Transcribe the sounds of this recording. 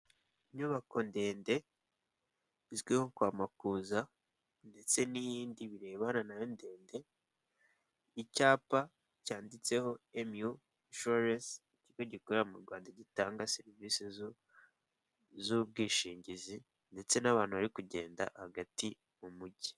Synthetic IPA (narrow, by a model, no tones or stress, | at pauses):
ɲuβako̞nde̞ːnde̞ | izɡwiho̞kwaːmakuːza | nde̞t͡se̞nijiːndiβiɾe̞ːβananajonde̞ːnde̞ | icaːpa | caːndit͡se̞ho̞emu | ʃoɾesiciɡo̞ɟikoɾejamuɾɡwaːndaɟitaːŋɡase̞ɾivisi | zub̚ɡiːʃiːɲɟizi | nde̞t͡se̞naβaːnhuβaɾikuɟe̞̰ːnda̰haɡati | mumuɟi̥